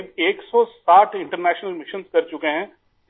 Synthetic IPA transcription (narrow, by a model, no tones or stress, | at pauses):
beːksɔsaːʈʰɪ̃ɳʈəɾnɛːʃnəlmɪʃənskɐɾt͡ʃʊkeɦɛ̃ː